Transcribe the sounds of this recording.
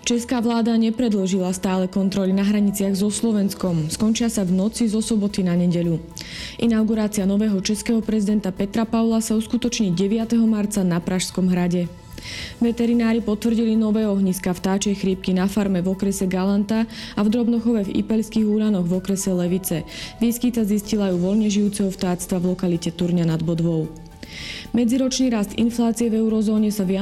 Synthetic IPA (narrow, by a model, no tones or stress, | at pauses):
t͡ʃɛskaːʋlaːd̪aɲɛpɾɛd̪lɔʒilast̪aːlɛkɔnt̪ɾɔlinaɦɾaɲit͡sɪaɣzɔslɔʋɛnskɔmskɔnt͡ʃɪasavnɔt͡sizɔsɔbɔt̪inaɲɛɟɛʎu | ʔinawɡuɾaːt͡sianɔʋɛːɦɔt͡ʃɛskɛːɦɔpɾɛzid̪ɛnt̪apɛt̪ɾapaʊlasauskut̪ɔt͡ʃɲiɟɛʋɪat̪ɛɦɔmaɾt͡sanapɾaʃskɔmɦɾaɟɛ | ʋɛt̪ɛɾinaːɾipɔt̪ʋr̩ɟilinɔʋɛːɔɦɲiskaft̪aːt͡ʃɛjxɾiːp̚kinafaɾmɛvɔkɾɛsɛɡalant̪aavd̪ɾɔbnɔxɔʋɛvḭpɛʎskiːɣuːɾanɔɣvɔkɾɛsɛlɛʋit͡sɛʋiːskit̪aziscilajuʋɔʎɲɛʒijuːt͡sɛɦɔft̪aːt͡st̪ʋavlɔkalicɛt̪uɾɲanad̪bɔd̪ʋɔʊ | mɛd͡ziɾɔt͡ʃniːɾast̪ḭnflaːt͡siɛvɛuɾɔzɔːɲɛsaʋɪa